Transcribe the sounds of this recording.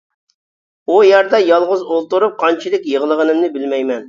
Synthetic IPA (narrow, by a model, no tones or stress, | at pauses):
ujæɾd̪ɑjɑlˠʁʊzolˠt̪uɾup̚qʰɑnt͡ʃʰilɪkʲjəʁəlˠəʁənɨmnɪbɪlmɛjmɛn